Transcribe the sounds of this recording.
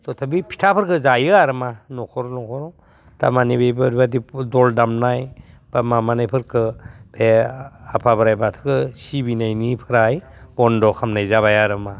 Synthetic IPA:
tɔtʰabipʰi̥tʰapʰɯɾkɯzajɯaɾɯmanɔkʰɔɾɔnɔkʰɔɾɔ | ta̰manibebɯɾbadidɔldamnaj | b̥amamanajpʰɯɾkʰɯbʰeapʰabɯɾajbatʰɯ̥kɯsibinajnipʰɯɾajbɔndɔkʰamnajzaβajaɾɯma

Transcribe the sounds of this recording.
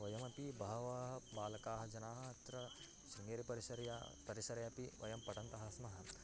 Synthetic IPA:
ʋɐjɐmɐpibɐɦɐʋaːɦɐbaːlɐkaːɦɐd͡ʒɐnaːɦɐɐt̪ɾɐ | ʃɾiŋɡeːɾipɐɾisɐɾjapɐɾiʃɐɾɐjɐpiʋɐ̰jɐmpɐʈɐnt̪ɐɦɐsmɐɦɐ̆

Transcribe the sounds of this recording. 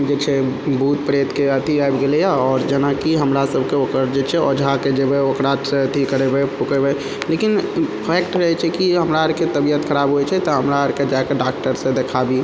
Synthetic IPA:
d͡ʒet͡ʃʰɛbʱut̪̚pɾet̪keət̪iajbɡelejaɔːɾd͡ʒənakiɦəmɾasəbʱkeokəɾd͡ʒet͡ʃʰɛod͡ʒʱaked͡ʒebɛokɾaset̪ʰikːəɾebepukebɛ | lekinpʰɛkʈɾəɦɛt͡ʃʰɛkiɦəmɾaəɾket̪əbijət̪kʰəɾaːbɦuet͡ʃʰɛt̪ɔɦəmɾaəɾked͡ʒakeɖak̚ʈəɾsẽd̪ekʰabi

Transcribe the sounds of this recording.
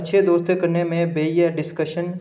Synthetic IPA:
tːʃʰed̪oːst̪ekɐɾnemẽbeːijəɾɖɪskəʃən

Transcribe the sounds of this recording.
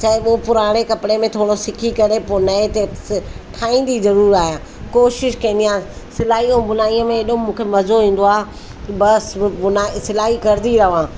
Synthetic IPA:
t͡ʃaːopʊɾaːɽ̃ekɐpɪɽemẽt̪ʰoːɽosɪkʰikɐɾeponɐet̪eʈʰaːĩːn̆d̪izɐɾuːɾiaːɦijãː | koːʃɪʃkɐ̃nd̪ijãːsɪlaːɦijũbʊnaːiə̃mẽːɗũmũːkʰemɐzoɦĩːn̆d̪oaːɦ | bɐsbʊnaːsɪlaːɦikɐɾɪd̪iɾɐʋãː

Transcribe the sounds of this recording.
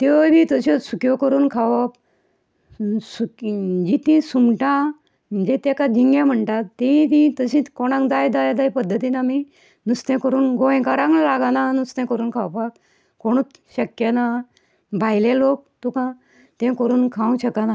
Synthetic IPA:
t̪ejbit̪əɕɔsukjɔkəɾuːnkʰaʋap̚ | sud͡ʑit̪ĩsumʈã | məd͡ʑet̪ekad͡ʑiŋɡjãm̤əɳʈat̪ːẽĩt̪ĩt̪əɕĩkɔɽ̃ãŋkd͡zajd̪ajd̪ajpəd̪ʱːət̪iːnami | nust̪ẽkəɾuːnɡoj̃kaɾãŋlaɡananust̪ẽkəɾuːnkʰawpak | koɽ̃ut͡sɕəkjəna | bʱajlelok̚t̪ukã | t̪ẽkəɾuːnkʰãũɕəkana

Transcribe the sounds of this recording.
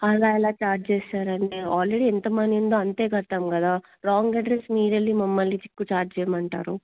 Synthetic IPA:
ɐlaːɛlaːt͡ʃaːɾd͡ʒt͡ʃeːsaːɾɐɳʈeaːlɾeɽiɛnt̪ɐmɐnjund̪oːɐnt̪e̞ːkɐɾt̪aːmkɐd̪aː | ɾaːŋɡɐɖɾesmiːɽɐlːimɐmːɐlːit͡ʃ̪i̥kːut͡ʃaːɾd͡ʒt͡ʃɛːjɐmɐɳʈa̰ːɾu

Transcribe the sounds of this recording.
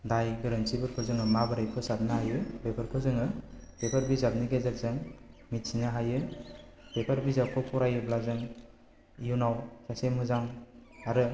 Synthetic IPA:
dajɡɯɾɯnsibɯɾkʰɯzɯŋɯmabɯɾajpʰɯsap̚nahajɯbepʰɯɾkʰɯzɯŋɯpepʰaɾbizab̚niɡezak̚zɯŋmit̚sinaɦajɯ | bepʰaɾbizakʰɔpʰɔɾajɯblazɯŋ | junawsʰasemhɯzaŋaɾɯ

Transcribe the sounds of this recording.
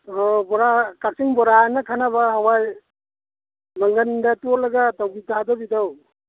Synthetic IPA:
ɔbɔɾakak̚siŋbɔɾanakʰanabahawaj | maŋɡəndatɔlaɡatawɡitʰadabidaw

